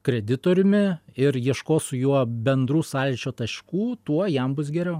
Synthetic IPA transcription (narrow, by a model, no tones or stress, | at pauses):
kɾʲɛd̪ʲɪt̪oːɾʲʊmʲɪɪɾjiɛʃkoːsʊjuɔbʲɛnd̪ɾuːsɑːlʲt͡ʃʲoːt̪ɐʃʲkuːt̪uɔjɛmbʊs̬ɡʲɛɾʲɛʊ